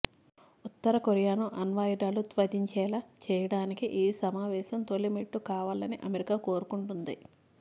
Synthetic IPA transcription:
ut̪ːɐɾɐkoɾjaːnuʔɐnʋaːjiɖaːlut̪ʋɐd̪iɲt͡ʃɛːlaːt͡ʃɛːjɐɽaːnikiʔeːsɐmaːʋɛːsɐmt̪olːimiʈːukaːʋaːlɐniʔɐmeɾikaːkoːɾukuɳʈund̪i

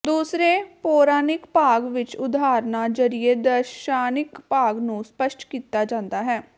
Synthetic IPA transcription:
d̪uːsɾeːpoːɾaːnɪkpaːɡʋɪt͡ʃʊd̪aːɾnaːd͡ʒəɾied̪əɾʃaːnɪkpaːɡnũːspəʃʈkiːt̪aːd͡ʒãːnd̪aːɦɛː

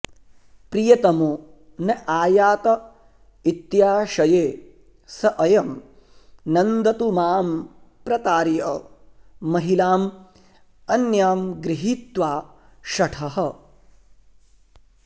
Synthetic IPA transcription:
pɾijɐt̪ɐmu | nɐʔaːjaːt̪ɐ | it̪jaːʃɐjeː | sɐʔɐjɐm | nɐnd̪ɐt̪umaːmpɾɐt̪aːɾjɐ | mɐɦilaːm | ɐnjaːmɡɾiɦiːt̪ʋaː | ʃɐʈʰɐɦɐ

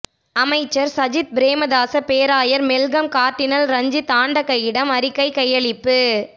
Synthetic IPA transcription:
ɐmɐɪt͡ʃːɐɾsɐd͡ʒɪt̪̚bɾeːmɐðaːsɐpeːɾaːjɐɾmɛlɡɐmkaːɾʈːɪnɐlɾɐɲd͡ʒɯt̪aːɳɖɐkːɐjːɪɽɐmɐɾɪkːɐɪkɐjɐɭɪpːɯ

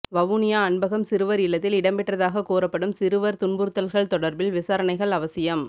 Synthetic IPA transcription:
ʋɐʋunɪjaːɐɳbɐɣɐmsɪɾɯʋɐɾɪlːɐt̪ːɪlɪɽɐmpɛʈrɐðaːɣɐkoːɾɐpːɐɽɯmsɪɾɯʋɐɾt̪ʊɳbʊɾɯt̪ːɐlɣɐɭt̪ɔɽɐɾbɪlʋɪsaːɾɐɳɐɪɣɐɭɐʋɐsɪjɐm

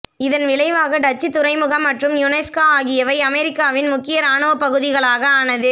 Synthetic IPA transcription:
ɪðɐnʋɪɭɐɪʋaːɣɐɖɐt͡ʃːit̪ːʊɾɐɪmɯɣɐmːɐʈrɯmjʊnɛːskaaːɣɪjɐʋɐɪɐmɛɾɪkːaːʋɪnmʊkːɪjɐɾaːɳɯʋɐpːɐɣɯðɪɣɐɭaːɣɐaːnɐðɯ

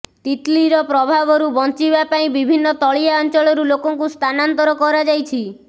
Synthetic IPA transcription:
t̪it̪liɾɔpɾɔbʱabɔɾubɔnt͡ʃibapaĩbibʱinːɔt̪ɔɭiaɔnt͡ʃɔɭɔɾulokɔŋkust̪ʰanant̪ɔɾɔkɔɾad͡ʒajt͡ʃʰi

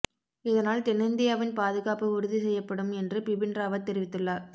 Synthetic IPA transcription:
ɪðɐnaːlt̪ɛnɯnd̪ɪjaːʋɪnpaːðɯɣaːpɯʊɾʊðisɛjːɐpːɐɽɯmɛndrɯpɪbɪndraːʋɐt̪ːɛɾɪʋɪt̪ːɯɭlːaːɾ

